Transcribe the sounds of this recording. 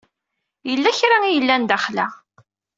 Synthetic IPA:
jəlːæçɾaijəlːænd̪æχlæ

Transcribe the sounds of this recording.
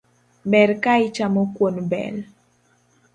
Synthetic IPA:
mɛɾkaɪt͡ʃamokwonbɛ̰l

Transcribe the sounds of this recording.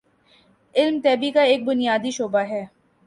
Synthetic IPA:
ɪlmt̪ɛːbikaeːk̚bʊnijaːd̪iʃoːbaɦɛː

